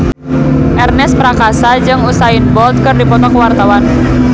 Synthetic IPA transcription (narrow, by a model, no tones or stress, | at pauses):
ʔɛrnɛspɾakasad͡ʒɨŋusaɪnbɔlt̪̚kɨrdipɔt̪ɔkwart̪awan